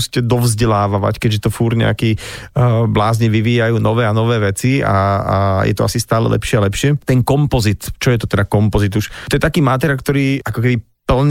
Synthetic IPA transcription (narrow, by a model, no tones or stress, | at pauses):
si̥cɛd̪ɔvzɟɛlaːʋaʋa̰ckɛɟʒɛt̪ɔfuːɾɲɛ̰a̰kiː | blaːzɲiʋiʋiːjajuːnɔʋɛːanɔʋɛːʋɛt͡sia̰jɛ̰t̪ɔa̰sist̪aːlɛ̰lʔɛ̰pʃɪɛalɛpʃɪɛt̪ɛnkɔmpɔzit̪t͡ʃɔjɛt̪ɔt̪ɛd̪akɔmpɔzid̪uʃt̪ɔjɛt̪akiːmat̪ɛɾakt̪ɔɾiːakɔk̬ɛbi | pl̩ɲ